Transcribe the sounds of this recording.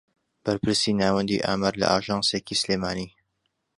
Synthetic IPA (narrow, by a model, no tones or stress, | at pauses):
b̥ɐɾpʰɨɾsiːnaːwɛnd̪ḭʔa̰ːmaɾlɐ̰ʔaːʒɑːnsekisleːmaːniː